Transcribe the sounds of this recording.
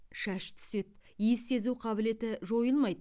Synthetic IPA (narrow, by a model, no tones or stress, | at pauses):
ʃæʃt̪ʰʏ̥se̞t̪̚ijɪsːe̞zuwqʰɑbɪle̞t̪ɪʒo̞jəlˠmɑjd̪